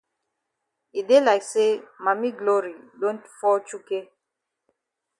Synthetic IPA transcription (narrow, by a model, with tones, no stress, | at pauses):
i˨de˦la˨ɪkse˦ma˨mi˦ɡlo˦ɹi˨dõ˦ntfɔ˦t͡ʃu˦ke˦